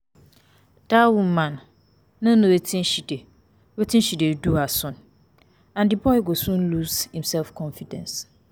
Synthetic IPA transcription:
d̥awumãnː | ʊ̃nʊ̃etʰɪ̃nɕide | wetʰɪ̃nɕideduasʊ̃n | ãndɪbɔɪɡosũnlushĩmsɛlfkʰɔ̃nfidɛ̰̃ns

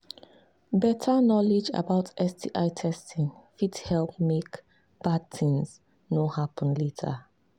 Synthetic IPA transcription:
bɛtʰanɔled͡ʒa̰baʊtɛstʰiʔaɪtʰɛstĩŋfidhɛlp̚mek | b̥ad̚θĩŋz | nohapə̃nletʰə̰

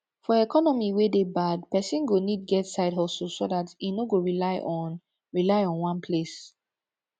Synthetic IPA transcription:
fɔɛkʰɔnɔmiwedebad̚pɛsĩnɡonid̚ɡɛtsaɪdɦɔssodatinoɡoɹilaɪʔɔ̃n | ɹilaɪɔ̃nwãnpʰles

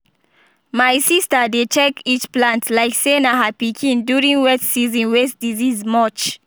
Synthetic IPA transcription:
majsistədet͡ʃɛkit͡ʃplãntʰlaɪksenaɦapikʰĩndjuɹĩŋwɛssizɔ̃nwesdizizmɔt͡ʃ

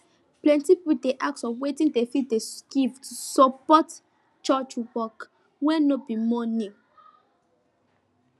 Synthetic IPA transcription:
plɛ̃ntipipudeʔak̚tsɔwetĩndefitdesɡivtusɔpɔt | t͡ʃɔt͡ʃwɔk | wɛnobimɔnĩ

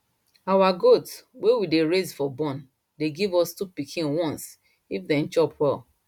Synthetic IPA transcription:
awaɡotswewideɹezfɔbɔ̃n | deɡivɔstupikʰĩnwɔ̃ns | ifdɛ̃n̩t͡ʃɔpwɛl

